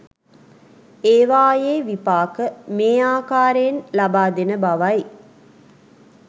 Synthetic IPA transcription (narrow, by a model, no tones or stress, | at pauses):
eːʋaːjeːʋipaːkəmeːaːkaːɾeːnlɐbaːd̪enəbɐʋɐj